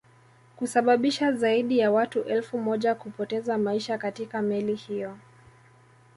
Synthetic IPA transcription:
kusaɓaɓiʃazaiɗijawatuʔɛlfumɔʄakupɔtɛzamaiʃakatikamɛlihijɔ

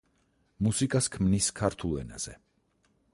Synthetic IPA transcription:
musikʼaskʰmniskʰaɾt̪ʰulˠɛ̰na̰z̥ɛ̰

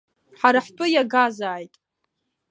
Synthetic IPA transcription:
ħaɾaħtʷʼʊjaɡazaːjtʼ

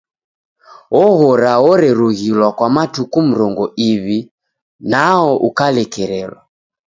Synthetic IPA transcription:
ɔɣɔɾaɔɾɛɾuɣilwakwamatukum̩ɾɔŋɡɔʔiβi | naɔʔukalɛkɛɾɛlwa

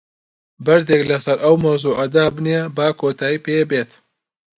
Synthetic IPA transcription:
bɐɾd̪eːklɐsɐɾʔɐwmɐwzuːʔɐd̪aːbnijebaːkʰoːt̪ʰaːjiːpeːbeːt̪

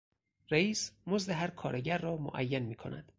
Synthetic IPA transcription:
reiːsmozd̪eɦæɾkʰɒːɾeɟæɾːɒːmo̰ʔæ̰jːænmiːkʰo̞̰nʔæ̰d̪̥

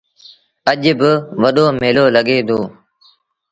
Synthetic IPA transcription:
əʄbɪʋəɗoːmeːloːləɠeːd̪ʱoː

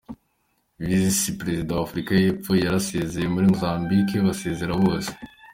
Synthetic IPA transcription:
vizisipɾezid̪aafɾikajepojaɾaseːzemuɾimzaːmbikeβaseːzeɾaβosi̥

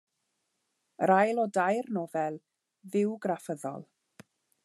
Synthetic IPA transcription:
ɾajlˠɔdajrnɔːvɛlˠ | ðɪwɡrafəðɔ̰lˠ

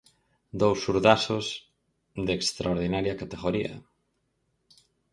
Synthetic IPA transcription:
d̪owsːuɾðasos | d̪eːkst̪ɾaoɾðinaɾjɐkat̪eɣoɾiɐ̰

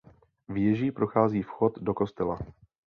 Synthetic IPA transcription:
vjɛʒiːpɾoxaːziːfxo̞t̪do̞ko̞st̪ɛla

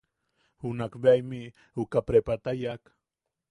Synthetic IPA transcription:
hʊnakbajmɪ | ʊkapɾepat̪ajak

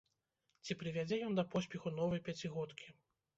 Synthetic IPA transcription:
t͡sʲipɾɨvʲad͡zʲɛjɔnd̪ɐpɔsʲpʲɛxunɔvɐjpʲat͡sʲiɣɔt̪kʲi

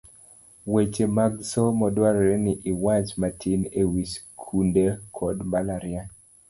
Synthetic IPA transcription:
wet͡ʃemaɡsɔmɔdwaɾeniʔiwat͡ʃmatʰinewiskʰundekʰɔdmbalaɾia

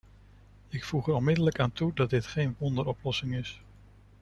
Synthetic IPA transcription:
ɪkfuχəɾɔnmɪdələkaːntudɑd̚dɪtχejnʋɔndəɾɔplɔsɪŋɪs

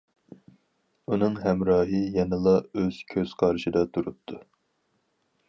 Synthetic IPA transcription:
unɨŋɦɛmɾɑːɦɨjɛnɨlˠɑøz̥kʲʰøz̥qʰɑɾɨʃid̪ɑt̪ʰuɾut̪ʰːu

